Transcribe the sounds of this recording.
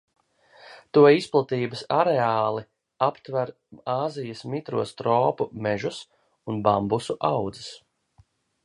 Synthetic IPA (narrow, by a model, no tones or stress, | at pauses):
t̪uɔisplˠat̪iːbəsaɾeaːlˠi | apt̪væɾ | aːzijɐsmit̪ɾuɔst̪ɾɔːpumɛʒus | unbambusuʔawd̪zɨ̥s